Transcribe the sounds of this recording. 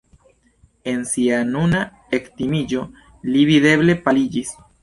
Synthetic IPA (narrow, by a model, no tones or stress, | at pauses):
e̞nsianuna | ekt̪imid͡ʒo̞ | liβiðe̞βle̞palid͡ʒis